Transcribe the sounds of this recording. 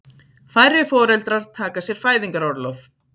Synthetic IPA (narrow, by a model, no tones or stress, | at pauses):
fajɾɪfɔːɾɛlt̪ɾaɾ̥t̪ʰaːkasjɛɾ̥faːjðiŋkaɾɔɾlɔf